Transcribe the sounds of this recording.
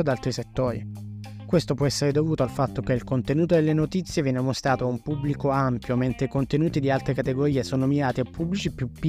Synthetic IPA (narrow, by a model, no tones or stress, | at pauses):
od̪alt̪ɾiset̪ːoːɾḭ | kwest̪opwɔɛsːeɾed̪ovuːt̪oalfat̪ːokeilkont̪enuːt̪od̪elːenot̪it̪sːjevjɛːnemost̪ɾaːt̪oaumpubːlikoampjoment̪ɾekont̪enuːt̪id̪ialt̪ɾekat̪eɡoɾiːesoːnomiɾaːt̪eapʰːubːlit͡ʃipjupːi